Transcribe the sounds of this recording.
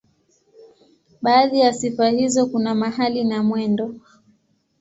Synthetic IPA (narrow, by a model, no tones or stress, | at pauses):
ɓaːðijasifahizɔkunamaɦalinamwɛndɔ